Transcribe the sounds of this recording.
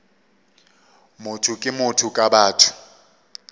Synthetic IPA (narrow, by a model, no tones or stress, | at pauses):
mʊtʰukʼɪmʊtʰʊkʼabaːtʰʊ̥